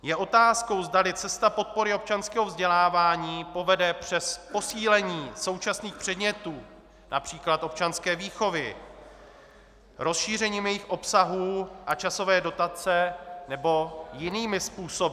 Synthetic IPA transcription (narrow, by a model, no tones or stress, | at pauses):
jɛʔo̞t̪aːsko̞wzdalɪt͡sɛst̪apo̞t̪̚po̞ɾɪo̞p̚t͡ʃanskɛːɦo̞vzɟɛlaːvaːɲiːpo̞vɛdɛpr̝̥ɛspo̞siːlɛɲiːso̞wt͡ʃasniːxpr̥ɛdɲɛt̪uː | nʔapr̥iːklat̪ʔo̞p̚t͡ʃanskɛːviːxo̞vɪ | ɾo̞sʃiːrɛɲiːmjɛjɪxʔo̞psaɦuːʔat͡ʃaso̞vɛːdo̞t̪at͡sɛnɛbo̞jɪniːmɪspuːso̞bɪ